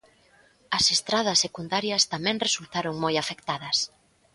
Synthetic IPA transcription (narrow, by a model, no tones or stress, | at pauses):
ɐsest̪ɾaðɐsːekund̪aɾjɐst̪amɛ̃ŋresult̪aɾoŋmojafekt̪aðɐs